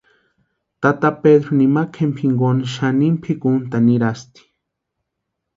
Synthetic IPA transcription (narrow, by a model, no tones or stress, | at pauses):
t̪at̪apeðɾonimakʰempʰiŋɡonaʃanimpʰikunt̪aniɾast̪i̥